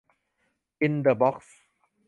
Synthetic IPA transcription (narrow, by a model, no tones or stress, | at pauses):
ɪ̃nd̪əbɔks